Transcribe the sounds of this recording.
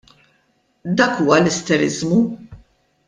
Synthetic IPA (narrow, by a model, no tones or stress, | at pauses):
d̪ɐːkuːwɐlɛst̪ɛɾɪ̰zmu